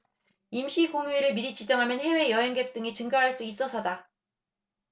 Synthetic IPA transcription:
imɕʰikoŋuiɾɯɭmiɾit͡ɕid͡ʑʌŋɦamjʌnhe̞we̞jʌɦe̞ŋɡe̞k̚t͈ɯŋit͡ɕɯŋɡaɦaɭs͈uis͈ʌsʰʌda

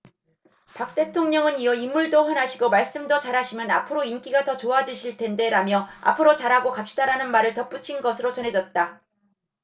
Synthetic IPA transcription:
pak̚t͈e̞tʰoŋɲʌŋɯniʌimːuɭdoɸʌnɦaɕʰiɡomaɭs͈ɯmdʌt͡ɕaɾɦaɕʰimjʌnapʰɯɾoink͈iɡatʌt͡ɕoad͡ʑuɕʰiɭtʰe̞nde̞ɾamjʌa̰pʰɯɾot͡ɕaɾɦaɡokap̚ɕ͈idaɾanɯnmaɾɯɭtʌp͈ut͡ɕʰinɡʌsʰɯɾot͡ɕʌnɦe̞d͡ʑʌt̚t͈a

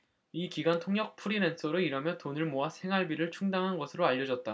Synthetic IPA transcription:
ikiɡantʰoŋjʌk̚pʰuɾinensʰoɾɯiɾʌmjʌtonɯɭmoasʰe̞ŋɦaɭbiɾɯɭt͡ɕʰuŋdaŋɦanɡʌsʰɯɾoaʎːʌd͡ʑʌt̚t͈a

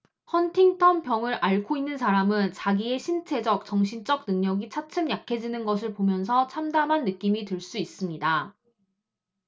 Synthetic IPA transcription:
hʌntʰiŋtʰʌmpjʌŋɯɾʔaɭkʰoinːɯnsʰaɾamɯnt͡ɕaɡie̞ɕʰint͡ɕʰe̞d͡ʑʌk̚t͡ɕʌŋɕʰint͡ɕ͈ʌk̚nɯŋɲʌɡit͡ɕʰat͡ɕʰɯmjakʰe̞d͡ʑinɯnɡʌsʰɯɭpomjʌnsʰʌt͡ɕʰamdamɦanːɯk͈imitɯɭs͈uis͈ɯmɲida

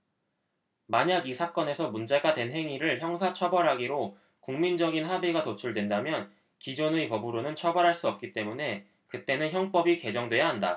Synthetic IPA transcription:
maɲaɡisʰak͈ʌne̞sʰʌmund͡ʑe̞ɡate̞nɦe̞ŋiɾɯɭçjʌŋsʰat͡ɕʰʌbʌɾɦaɡiɾo | kuŋmind͡ʑʌɡinɦabiɡatot͡ɕʰuɭdwe̞ndamjʌn | kid͡ʑonɯipʌbuɾonɯnt͡ɕʰʌbʌɾɦaɭs͈uʌp̚k͈it͈e̞mune̞ | kɯt͈e̞nɯnçjʌŋp͈ʌbike̞d͡ʑʌŋdwe̞jaɦanda

